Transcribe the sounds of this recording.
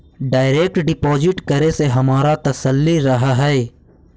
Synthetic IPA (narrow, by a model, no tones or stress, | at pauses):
ɖaːɪɾeːk̚ʈɖɪpɔːzɪʈkɐɾeseɦɐmaːɾat̪ɐsəlːiɾɐɦaɦɛː